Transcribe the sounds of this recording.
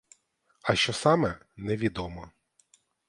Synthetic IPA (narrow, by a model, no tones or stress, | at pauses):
ɐʃt͡ʃɔsɑmɛnɛʋʲid̪ɔmɔ